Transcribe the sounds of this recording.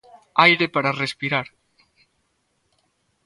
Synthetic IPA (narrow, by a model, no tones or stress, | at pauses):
ajɾepaɾarespiɾaɾ